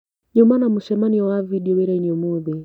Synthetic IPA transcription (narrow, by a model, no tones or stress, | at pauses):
ɲɔmanamuʃɛmaniɔaviɗiwɛɾɛiɲiɔmubɛ